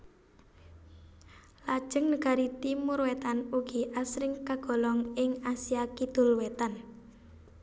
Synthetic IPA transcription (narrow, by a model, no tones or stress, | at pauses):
lad̥ʒ̥ə̤ŋnəɡ̥a̤ɾit̪imʊɾwet̪anuɡ̥iʔasɾɪŋkaɡ̥ɔ̤lɔŋɪŋasijakid̪̥ṳlwet̪an